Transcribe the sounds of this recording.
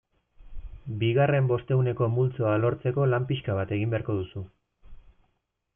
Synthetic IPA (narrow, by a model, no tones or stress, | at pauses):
biɣare̞mbo̞st̪e̞une̞ko̞mult͡so̞alo̞ɾt͡se̞ko̞lampiʃkaβ̞at̪e̞ɣimbeaɾko̞ðusu